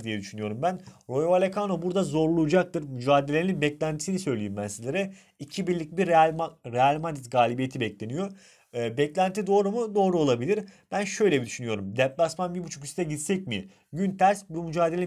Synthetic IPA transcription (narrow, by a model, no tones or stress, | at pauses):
d̪ijɛd̪yʃynyjo̞ɾumbænɾo̞jvalʲekʰanobuɾd̪azo̞ɾlˠujud͡ʒak̚t̪ʰɯɾmyd͡ʒaːd̪elʲeininbɛclʲænt̪ʰi̥sinisø̞jlʲijimbænsizlʲeɾɛ | icʰibiɾlʲic̚biɾʲɾealʲmad̪it̪ɡaːlʲibijet̪ʰibɛclʲe̞nijo̞ː | bɛclʲænt̪ʰid̪o̞ːɾumud̪o̞ːɾuo̞lˠabilʲiɾb̥ænʃø̞jlʲebid̪yʃynyjo̞ɾumd̪ɛplˠasmanbiɾbut͡ʃʰu̥kist̪ʰɛɟit̪sɛcmi | ɟynt̪ʰæɾsbumyd͡ʒaːd̪e̞lʲ